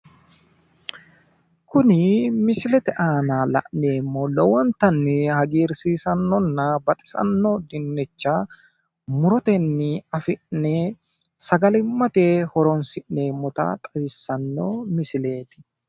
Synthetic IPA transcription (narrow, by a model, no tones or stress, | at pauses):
kʊnɪmɪsɪlɛt̪ɛʔaːnaːlɐ̰ʔneːmːɔlɔwɔnt̪ɐnːɛhɐɡiːɾsiːsɐnːɔnːɐbɐt̪ʼɪ̥sɐ̰nːɔd̪ɪnːɛt͡ʃːa | mʊɾɔt̪ɛnːɪɐfɪʔnɛ | sɐɡɐlɪmːɐt̪ehɔɾɔnsɪʔneːmːɔt̪ɐ̰t̪ʼɐwɪsːɐnːomɪsɪle̞ːt̪ɪ̥